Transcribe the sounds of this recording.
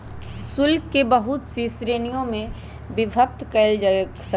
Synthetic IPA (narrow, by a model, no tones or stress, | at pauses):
sʊlkːebəɦʊt̪sisɾeːnijõmẽ | bɪbʱək̚t̪kəɪld͡ʒae | sə